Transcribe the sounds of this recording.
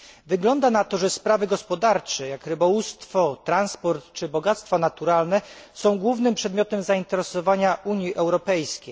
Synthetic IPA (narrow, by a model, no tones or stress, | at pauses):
vɘɡlɔnd̪anat̪ɔʐɛspɾavɘɡɔspɔd̪aɾt͡ʂɛjakɾɘbɔwust̪fɔt̪ɾanspɔɾt̪t͡ʂɘbɔɡat̪st̪fɔnat̪uɾalnɛsɔ̃w̃ɡwuvnɘmpʂɛd̪mʲjɔt̪ɛmzaint̪ɛɾɛsɔvaɲaʔuɲjiʔɛwɾɔpɛjskʲej